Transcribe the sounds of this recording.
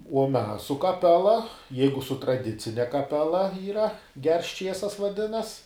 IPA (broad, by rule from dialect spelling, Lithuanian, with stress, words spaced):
uɔ ˈmʲɛs sʊ kɐˈpʲæːlˠɐ ˈjɛɪɡʊ sʊ trɐˈdʲɪt͡sʲɪnʲɛ kɐˈpʲæːlˠɐ iːˈrɐ ɡʲɛrs ˈt͡ʃʲiɛsɐs ʋɐˈdʲɪnɐs